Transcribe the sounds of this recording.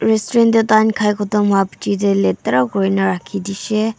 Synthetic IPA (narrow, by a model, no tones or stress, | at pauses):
ɾestɔɾendetankʰajkʰɔtɔmhaptideletːɐɾaɡɔjnɐɾakʰidise